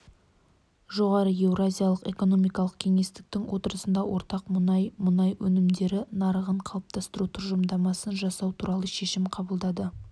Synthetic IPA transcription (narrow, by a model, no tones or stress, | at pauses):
ʒo̞ʁɑɾəe̞wrazʲijalˠəqe̞ko̞no̞mijkɑlˠəqkʲʰe̞ŋe̞st̪ɪ̥k̚t̪ɪŋwʔo̞t̪əɾəsənd̪ɑwʔo̞ɾt̪ɑqmʊnɑjmʊnɑjwɵnɪmd̪e̞ɾɪnɑɾəʁəɴqʰɑlˠəp̚t̪ʰɑst̪əɾut̪ʰʊɾʒəmd̪ɑmɑsənʒɑsɑwt̪ʰuɾɑlˠəʃe̞ʃɪmqʰɑbəlˠd̪ɑd̪ə